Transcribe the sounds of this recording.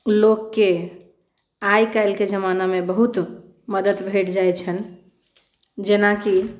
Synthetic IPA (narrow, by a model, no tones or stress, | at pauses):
lokːe | ajkajlked͡ʒəmanamebəɦut̪ | məd̪ət̪bʱeʈd͡ʒajt͡ʃʰən | d͡ʒenaki